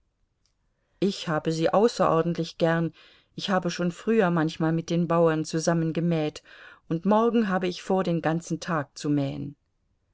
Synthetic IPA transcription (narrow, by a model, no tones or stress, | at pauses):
ʔɪçhaːbəziːʔaʊsɐʔɔɐdn̩tlɪçɡ̥ɛɐn | ʔɪçhaːbəʃoːnfʁ̥yːɐmançmaːlmɪt̚d̥eːnbaʊɐnt͡suzamənɡəmɛːtʔʊntmɔɐɡŋ̩ɦaːbəɪçfoːɐdeːnɡant͡sn̩tʰaːk̚t͡sumɛːə̰n